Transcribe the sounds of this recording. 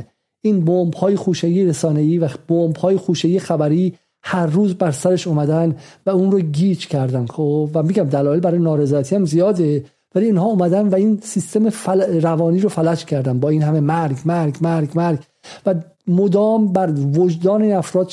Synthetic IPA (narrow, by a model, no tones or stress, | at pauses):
ʔiːnbombhɒːjexuːʃejiːeɾesɒːne̞iːvæb̥ombhɒːjexuːʃejijexæbæɾiː | hæɾːuːzbæɾsæɾe̞ʃomæd̪ænd̪væuːnɾoɟiːt͡ʃcʰæɾd̪ænovæmiɡæmd̪ælɒːe̞lbæɾɒːjenɒːɾe̞zɒːjæt̪ʰiːæmzijɒːd̪e | væliːnhɒːomæd̪ænvæiːnsist̪e̞mefɾævɒːniːɾofælæt͡ʃcʰæɾd̪ænbɒːiːnhæme̞mæɾɡmæɾɡmæɾɡmæɾɡ | væ | mod̪ɒːmbæɾvod͡ʒd̪ɒːneiːnæfɾɒːd̪